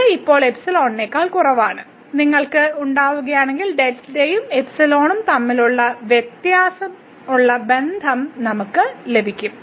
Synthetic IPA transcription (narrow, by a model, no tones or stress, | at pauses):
ipːo̞ːɭe̞psɐlo̞ːɳnekːaːɭkurɐʋaːɳɨ | niŋːɐɭkɨuɳɖaːʋuɣɐjaːɳe̞ŋɡilɖelsidejumepsɐlo̞ːɳumt̪ɐmːiluɭːɐʋjet̪jaːsɐm | uɭːɐbe̞nd̪ʱɐmnɐmukːɨle̞bʱikʲːum